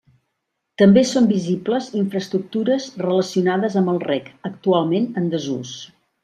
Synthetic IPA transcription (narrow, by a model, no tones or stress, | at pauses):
t̪əmbesombizipləziɱfɾəst̪ɾuk̚t̪uɾəzrələsiunaðəzəmbəlˠrɛkək̚t̪ualˠmenənd̪əzṵs